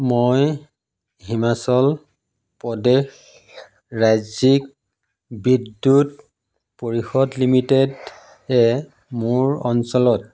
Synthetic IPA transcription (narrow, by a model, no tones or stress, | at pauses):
moj | ɦimasɔl | pɔdex | ɹazik̚ | bidːut | poɹixɔdlimited | ɛ | mʊɹɔnsɔlɔt̚